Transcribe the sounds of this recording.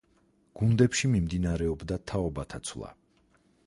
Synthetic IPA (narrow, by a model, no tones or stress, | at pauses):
ɡ̥und̪ɛpʃimimd̪inaɾɛɔbd̪at̪ʰaɔbat̪ʰat̪sʰwlˠa̰